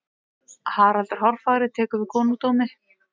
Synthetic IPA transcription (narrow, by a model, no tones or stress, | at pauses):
haɾalt̪ʏɾ̥hɔr̥faːɣɾɪðt̪ʰɛːkʏvɪkʰɔːnut̪owmɪ